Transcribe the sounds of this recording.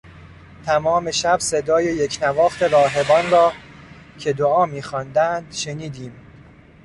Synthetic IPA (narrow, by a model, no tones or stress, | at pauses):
t̪ʰæmɒːme̞ʃæbse̞d̪ɒːjejecʰnævɒːxt̪ʰe̞ɾɒːɦe̞bɒːnɾɒː | cʰe̞d̪oɒːmiːxɒnd̪ænd̪ʃe̞niːd̪iːm